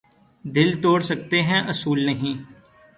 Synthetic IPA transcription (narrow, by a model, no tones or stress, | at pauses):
d̪ɪlt̪oːɽsək̚t̪eːɦɛ̃ʔəsuːlnəɦĩː